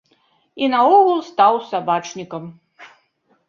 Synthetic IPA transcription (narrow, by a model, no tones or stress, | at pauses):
inɐɔɣulˠst̪awsabat͡ʂnʲikɐm